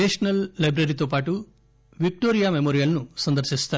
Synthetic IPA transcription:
eʂnɐllɐjbɾɐɾit̪oːp̬aːʈu | ʋik̚ʈoːɾijaːmemoːɾijɐlnusɐnd̪ɐɾʃist̪aː

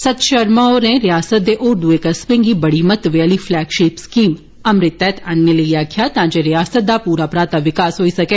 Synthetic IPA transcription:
sɐt̪ʃɐɾmaoːɾẽɾɪjaːsət̪̚d̪eʔoːɾɖueːkɐspɪ̃ŋɡiːbɐɽimət̪ʋejəlifʰlɛːɡʃeːpskiːm | ɐmɾɪt̪ːɛt̪ʰənːeləiaːkʰjat̪ãːd͡ʒeɾɪjaːsət̪̚d̪apuːɾaːpɾaːt̪aʋɪkaːsɦoːisɐkeː

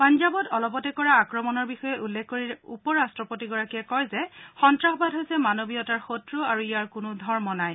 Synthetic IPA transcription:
panzabɔtɔlɔpɔtɛkɔɹaːkɹɔmɔnɔɹbixɔjɛʔulːɛkkoɹiɹupɔɹastɹɔpotiɡɔɹakiɛkɔjzɛxɔntɹaxɔbadɦojsɛmanobijɔtaɹxotɹuaɹuijaɹkʊnʊdʱɔɹmɔnaj

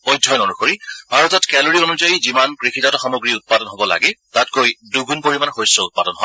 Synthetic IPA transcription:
ojdʱɔjnonuxoɹibʱaɹɔtɔtkɛloɹionuzajizimankɹixitatɔxɔmoɡɹiʊt̚padɔnɦobɔla̰ɡɛtatkojduɡunpoɹimanɔxojsɔʊt̚padɔnɦɔ

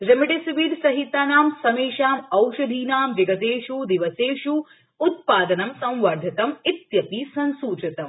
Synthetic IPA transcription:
ɾɐmɐɖisʋiːɾsɐɦit̪aːnaːmsɐmeːʃaːmɐwʃɐd̪ʱiːnaːmʋɐɡɐt̪eːʃud̪iʋɐseːʃuː | t̪̚paːd̪ɐnɐmsɐ̃w̃ʋɐɾd̪ʱɐt̪ɐmit̪jɐpisɐ̃nsuːt͡ʃɐt̪ɐm

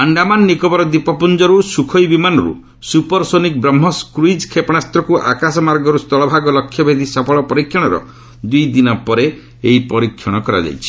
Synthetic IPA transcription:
aɳɖamanːikɔbɔɾɔd̪ipɔpund͡ʒɔɾusukʰɔjbimanɔɾṵ | supɔɾsonik̚bɾɔmːɔskɾuid͡ʒkʰepɔɽ̃ast̪ɾɔkuʔa̰kasɔmaɾɡɔɾust̪ɔɭɔbʱaɡɔlɔkʰːjɔbʱed̪ʱisɔpʰɔɭɔpɔɾikʰːjɔɽ̃ɔɾɔ̰ | d̪ujd̪inɔpɔɾe | eipɔɾikʰjɔɽ̃ɔkɔɾa̰d͡ʒa̰jt͡ʃʰi̥

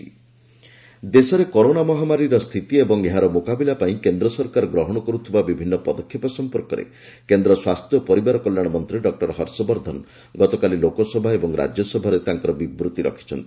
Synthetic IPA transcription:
d̪esɔɾekɔɾonamɔɦamaɾiɾɔst̪ʰit̪iebɔŋeɦaɾɔmokabilapaĩkend̪ɾɔsɔɾkaɾɔɡɾɔɦɔɽ̃ɔkɔɾut̪ʰibabibʱinːɔpɔd̪ɔkʰːjepɔsɔmpɔɾkɔɾḛ | kend̪ɾɔswast̪jɔpɔɾibaɾɔkɔlːjaɽ̃mɔnt̪ɾiɖɔk̚ʈɔɾɦɔɾsɔbɔɾd̪ʱɔn | ɡɔt̪ɔkalilokɔsɔbʱaebɔŋɾa̰d͡ʒjɔsɔbʱaɾet̪aŋkɔɾɔbibɾut̪iɾɔ̰kʰi̥t͡ʃʰɔ̰nt̪ii

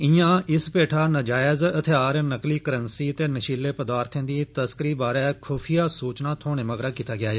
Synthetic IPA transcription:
ɪ̃jãːɪspeːʈʰaːnəd͡ʒaːɪzət̪ʰeaːɾnəkliːkəɾənsiːət̪eːnəʃiːlːeːpəd̪aːɾt̪ʰẽːd̪iːt̪əskəɾiːbaːɾɛːkʰoːpʰijaːsuːt͡ʃnãːt̪ʰoːɽ̃ẽːməɡɾaːkiːt̪aːɡɪaːeː

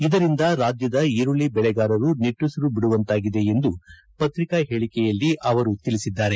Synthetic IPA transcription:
id̪ɐɾind̪ɐɾaːd͡ʒ̪jɐd̪ɐiɾuɭibɛɭɛɡaːɾɐɾuniʈːusɐɾubiɽuʋɐnt̪aːɡid̪e̞end̪u | pɐt̪ɾikɐɦeːɭikɛjɐlːiʔɐʋɐɾut̪ilisid̪ːaːɾe̞

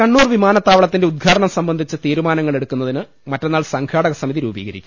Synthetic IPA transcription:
kɐɳːuːrʋimaːnɐt̪ːaːʋɐɭɐt̪ːindeud̪̚ɡʰʱaːɾɐɳɐmsɐmbɐnd̪ʱit͡ɕːɨt̪iːɾumaːnɐŋːɐɭe̞ɽukːunːɐðinɨ | mɐtːe̞nːaːɭsɐŋɡʰaːɽɐɣɐsɐmiðiɾṵːbḭːɣɐɾikʲːu

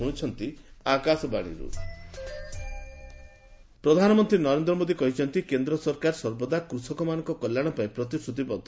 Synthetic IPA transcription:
ɦũt͡ʃʰɔnt̪iakasɔbaɽ̃ḭɾṵ | pɾɔd̪ʱanɔmɔnt̪ɾinɔɾend̪ɾɔmod̪ikɔɦit͡ʃʰɔnt̪ikend̪ɾɔsɔɾkaɾsɔɾbɔd̪akɾusɔkɔmanɔ̃ŋkɔkɔljaɽ̃ɔpaĩpɾɔt̪isʈʰɾut̪̬ibɔd̪ʱ

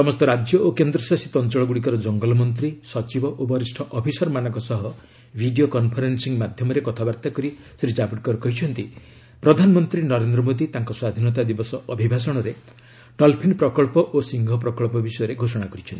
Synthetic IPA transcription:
sɔmɔst̪ɔɾad͡ʒjɔʔokend̪ɾɔsasit̪ɔnt͡ʃɔɭɔɡuɽikɔɾɔd͡ʒɔŋɡɔlɔmɔnt̪̬ɾisɔt͡ʃibɔʔobɔɾisʈʰɔʔɔpʰisɔɾmanɔŋkɔsɔɦɔ | bʱiɖiokɔnpʰɔɾensiŋmad̪ʱjɔmɔɾekɔt̪ʰabaɾt̪akɔɾi | siɾid͡ʒabuʈ̚kɔɾɔkɔɦit͡ʃʰɔnt̪i | pɾɔd̪ʱanɔmɔnt̪ɾinɔɾend̪ɾɔmod̪it̪aŋkɔswad̪ʱinɔt̪ad̪ibɔsɔʔɔbʱibʱas̬ɔɽ̃ɔɾe | ɖɔlpʰinpɾɔkɔɭpɔʔosiŋɡʱɔpɾɔkɔɭpɔbisɔjɔɾeɡʱosɔɽ̃akɔɾit͡ʃʰɔnt̪i

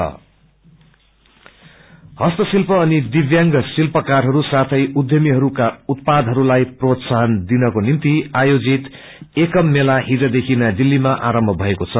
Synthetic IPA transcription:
ʌ̰ | hʌst̪ʌsilpʌːnid̪iʋjaŋɡʌsilpʌkarɦʌɾusat̪ʰʌjud̪jʌmiɦʌɾukaut̪̚pad̪ɦʌɾulajprot̪saɦʌnd̪inʌkonimt̪iajod͡zit̪ | ekʌmːelaɦid͡zʌd̪ekʰinad̪ilːimaʔaɾʌmbʱʌbʱʌekot͡sʰʌ

